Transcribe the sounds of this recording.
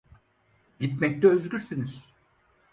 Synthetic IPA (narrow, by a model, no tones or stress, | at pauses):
ɟit̪mɛc̚lɛøzɟʲyɾsiniz̥